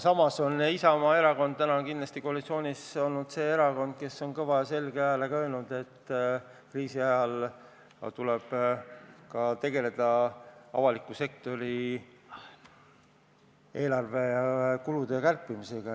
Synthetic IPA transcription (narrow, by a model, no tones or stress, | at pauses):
sɑmɑso̞nːisɑmɑeɾɑko̞nd̪̥̚t̪ænɑnkinlɑst̪iko̞ɑlit̪sio̞ːnʲiso̞lnud̪̥se̞ːeɾɑko̞nd̪̥̚ke̞sːo̞nkɤvɑjɑse̞lɡ̥eɑjɑlekɑø̞ːlnud̪̥e̞t̪ː | kriːsiɑjɑl | t̪uleb̥ | kɑt̪e̞ɡe̞le̞d̪̥ɑɑ̰vɑlikːˑuse̞k̚t̪o̞ɾi | e̞ːlɑrve̞jɑkulud̪e̞kærpˑːimise̞ɡ̥ɑ